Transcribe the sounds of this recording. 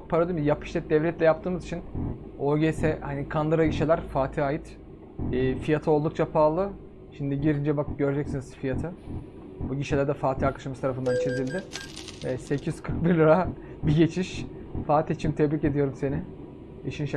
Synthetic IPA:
pʰaɾad̪ˠɯmjapʰɯ̥ʃlʲɛd̪ɛvlʲɛt̪lʲɛjap̚t̪ʰɯːmɯzit͡ʃʰin | oɾɟesɛhanikʰand̪ˠɯɾaɟiʃelʲæɾfaːt̪ʰiaːjit̪ː | fijat̪ʰɯo̞lˠd̪uk̚t͡ʃʰapʰaːlˠɯ | ʃimnd̪iɟiɾind͡ʒɛbak̚ɟø̞ɾd͡ʒɛcsiniz̥fijat̪ʰɯ | buɟiʃelʲæɾd̪ɛfaːt̪ʰiːakḁʃamɯst̪aɾafɯnd̪anit͡ʃʰezilʲd̪ɪɛsecʰijyz̥kʰɯɾk̚biɾlʲɯɾa | biɟe̞t͡ʃʰiʃ | faːt̪ʰiit͡ʃʰimt̪ʰɛbɾiːced̪ijo̞ɾumse̞nɪ | iʃinʃ

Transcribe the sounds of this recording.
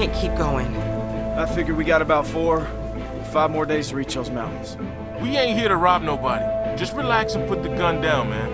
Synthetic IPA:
æ̃nkʰip̚ɡ̥oʊɪ̰̃ŋðətfɪɡjə˞wiɡɑɾɨbaʊtfɔɹ | faɪvmɔɹdeɪz̥fə˞it͡ʃʌzmãʊ̃ʔn̩z̥ | wiẽɪ̃nt̚hiɹɾɨɹɑb̚noʊbɑɾi̥d͡ʒʌst̚ɹilæksɨ̃n̩pʰʊt̪̚ðɨɡʌ̃ndãʊ̃nmæ̰̃n

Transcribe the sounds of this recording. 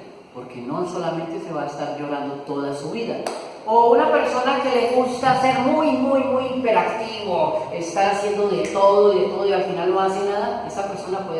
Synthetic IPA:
po̞ɾke̞nõ̞nso̞lament̪e̞se̞βaest̪aɾd͡ʒo̞ɾand̪o̞t̪o̞ðasuβiða | ounape̞ɾso̞nake̞le̞ɣust̪ase̞ɾmujmujmujimpe̞ɾakt̪iβoest̪aɾasje̞nd̪oðe̞t̪o̞ð̞o̞iðe̞t̪o̞ðoialfinalno̞asenaðae̞sape̞ɾso̞napweð

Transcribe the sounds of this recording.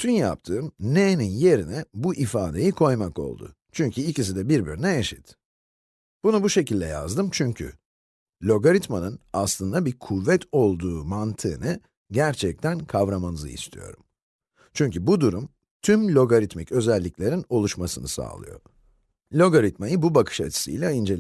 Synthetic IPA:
t̪ʰynjap̚t̪ʰɯːmneninje̞ɾinɛbuʔifaːd̪e̞jikʰo̞jmako̞̰lˠd̪ʊ̰ | t͡ʃʰyɲcʰyilʲcis̬id̪ɛbiɾbyɾnɛeʃit̪ | b̥unubuʃe̞cilʲd̪ɛja̰zd̪ɯmt͡ʃʰyɲcʰy̰ | lʲo̞ɡaɾit̪manɯnaslˠɯnd̪abiɾkʰuvːɛt̪ʰo̞lˠd̪uːmant̪ʰɯːnɯ | ɟæɾt͡ʃʰɛc̚t̪ʰænkʰavɾamanɯzɯ̰ḭst̪ʰijo̞̰ɾum | t͡ʃʰyɲcybud̪uɾum | t̪ʰymlʲo̞ɡoɾit̪micø̞zɛlʲːiclʲe̞ɾino̞lˠuʃmasɯnɯsa̰ːlˠɯ̰jo̞̰ | lʲo̞ɡoɾit̪majɯbubakʰɯ̥ʃa̰t͡ʃʰi̥sɯ̰jlʲaind͡ʒe̞lʲ

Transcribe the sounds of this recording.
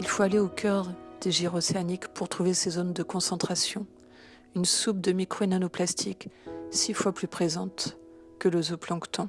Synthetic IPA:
ilfoaleokʰʲœʁd̪̥eʒiʁɔseanikpuʁt̪χuvesezond̪əkɔ̃sɑ̃t̪χasjɔ̃ | ynsup̚d̪əmikχoenanoplast̪ʰiksifwaplypχezɑ̃t̪ | kələzoplɑ̃kt̪ɑ̃

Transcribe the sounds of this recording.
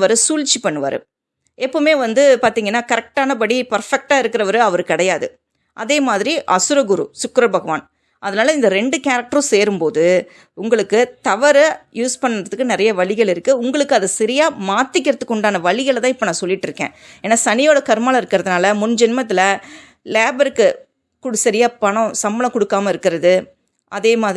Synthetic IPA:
ʋɐɾɯsuːlt͡ʃːipɐɳːɯʋɐ̰ɾɯ̰ | ɛpːoːmeːʋɐnd̪ɯpaːɾt̪iːŋɡɐnːaːkɐɾɛk̚ʈaːnɐp̬ɐɽipɐɾfɛk̚ʈaːɪɾɯkːɪɾɐʋɐɾɯɐʋɐɾɯkɪɽɐjaːðɯ̰ | ʔɐðeːmaːðɪɾiʔɐsʊɾɐɡʊɾṵsʊkɾɐbʱɐɣɐʋa̰ːn | ʔɐðɐnaːlɐɪnd̪ɐɾɛɳɖɯkaːɾɐk̚ʈɐɾ̃seːɾɯmpoːðɯ | ʊŋɡɐɭɯkːɯt̪ɐʋɐɾɐjuːspɐnːɾɐðɯkːɯnɪɾɐjɐʋɐɭɪɣɐɭɪɾɯkːɯʊŋɡɐɭɯkːɯɐðɯsɪɾɪjaːmaːt̪ːɪkːɪɾɐt̪ːɯkːɔɳɖaːnɐʋɐɭɪɣɐɭt̪ãːɪpːoːnãːsɔlːɪʈːɪɾɯkːḛ̃ːeːnːaːsɐnɪjoːɽɐkɐɾɯmaːlɐɪɾɯkːɪɾɐðɯnaːlɐmʊnd͡ʒɪnmɐt̪̬ːɪlɐ | leːbɐɾɯkːɯ | kʊɽɯsɐɾɪjaːpɐɳɔ̃sɐmbɐlɐ̃kɔɽɯkːaːmɐɪɾɯkːɪɾɐðɯ | ʔɐðeːmaːð

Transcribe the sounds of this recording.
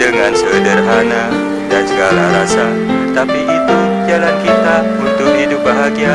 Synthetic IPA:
dəŋansədərɦana | dansəɡalaɾasa | t̪apiʔit̪u | d͡ʒalankit̪a | unt̪ʊk̚ɦidʊp̚baɦaɡia

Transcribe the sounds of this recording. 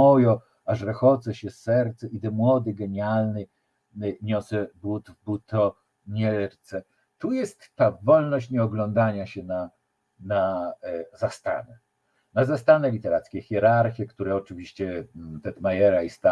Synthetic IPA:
ɔjɔ | aʐɾɛxɔd̪zɛɕɛsɛɾt̪sɛʔid̪ɛmwɔd̪ɘɡɛɲalnɘ | ɲɔsɛbut̪vbut̪ɔ | ɲɛɾt̪sɛ | t̪ujɛst̪ːavɔlnɔɕt͡ɕɲɛɔɡlɔnd̪aɲaɕɛna | na | zast̪a̰nɛ | nazast̪anɛlʲit̪ɛɾat̪skʲɛxʲjɛɾaɾxʲjɛkt̪uɾɛɔt͡ʂɘvʲiɕt͡ɕɛt̪ɛt̪majɛɾaist̪a

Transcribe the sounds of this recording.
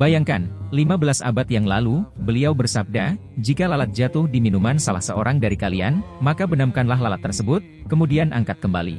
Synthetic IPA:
bajaŋkanlimabəlasa̰bat̪jaŋlalubəliawbərsab̚da | d͡ʒikalalat̪̚d͡ʒat̪ʊhdiminumansalahsəoɾʔaŋdaɾikalia̰nmakabənamkanlaɦlalat̪ːərsəbʊt̪̚kəmudianʔa̰ŋkat̪̚kəmba̰lḭ

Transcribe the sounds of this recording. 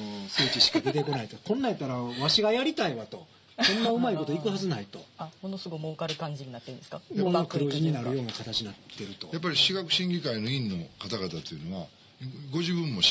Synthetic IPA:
osɨːt͡ɕiɕi̥kad̪et̪ekonait̪o̞kõ̞nːait̪ːaɾaβaɕiɡajaɾʲit̪aiβat̪o̞ | õ̞nːaɯ̟maiko̞t̪o̞ikɯ̟hazɨnait̪o̞̰amonosɨɡomoːkaɾɯ̟kãɲd͡ʑiɲ̟inat̪ːeɯ̃nd̪eskamaomakɯ̟ɾoːʑiɲ̟inaɾɯ̟jo̞ːnakat̪at͡ɕiɲnat̪ːe̞ɾɯ̟t̪o̞̰jap̬ːaɾʲiɕiɡakɯ̟̥ɕĩŋɡʲikainoĩnːo̞kat̪aɡat̪at̪ojɯ̟no̞βa | ɡo̞ʑibɯ̃mːo̞

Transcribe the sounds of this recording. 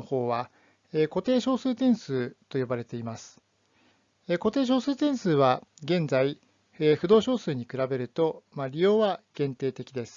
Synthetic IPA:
oho̞ːβa | eko̞t̪e̞ːɕo̞ːsɨːt̪ẽ̞ɰ̃sɨːt̪o̞jo̞baɾe̞t̪e̞imasɨ̥ | eko̞t̪e̞ːɕ̬o̞ːsɨːt̪ẽ̞ɰ̃sɨːβaɡẽ̞nd͡zai | ɸɯ̟d̪o̞ːɕo̞ːsɨːɲ̟ikɯ̟ɾabe̞ɾɯ̟t̪o̞maɾʲijo̞ːβaɡ̥ẽ̞nt̪e̞ːt̪e̞kʲid̪e̞sɨ̥

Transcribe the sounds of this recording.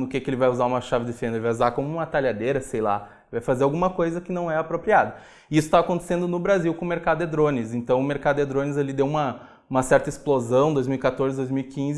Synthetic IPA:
ʊkekɪelɪvajuzaũmɐʃavɪd̪efẽnd̪ɐelɪvajuzaɾkõmʊũmɐt̪aʎad̪eɾɐsejla̰ | vajfazeɾawɡũmɐkojzɐkɪnɐ̃w̃ɛapɾopɾiad̪ɐ | isʊ̥t̪akõnt̪e̥sẽnd̪ʊnʊbɾaziwkõʊ̃meɾkad̪ʊed̪ɾõnɪzẽnt̪ɐ̃w̃ʊmeɾkad̪ʊed̪ɾõnɪzelɪd̪ewũmɐ | ũmɐsɛɾt̪ɐɪsplozɐ̃w̃d̪ojzmiwikat̪oɾzɪd̪ojzmiwikĩzɪ

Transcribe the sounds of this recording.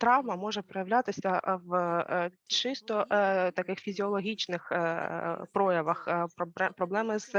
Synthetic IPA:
t̪ɾɑʋmɐmɔʒɛpɾɔjɐʋlʲat̪ɪsʲɐʋ | t͡ʃɪst̪ɔt̪ɐkɪxfʲizʲiɔlˠɔɦʲit͡ʃnɪx | pɾɔjɐʋɐxpbɛpɾɔblˠɛmɪz̥

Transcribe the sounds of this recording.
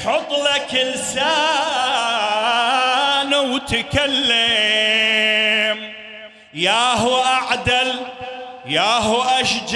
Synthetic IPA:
ħɑt̪ˤlakɪlsaː | nwt̪ɪkalːa | m | jaːɦʊʔaʕd̪al | jaːɦʊʔaʃd͡ʒ

